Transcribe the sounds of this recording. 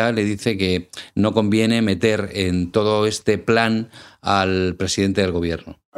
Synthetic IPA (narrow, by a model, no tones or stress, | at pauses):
ale̞ðiθe̞ke̞no̞ko̞mbje̞ne̞me̞t̪e̞ɾent̪o̞ðoe̞st̪e̞planalpɾe̞siðe̞nt̪eeɣo̞β̞je̞ɾno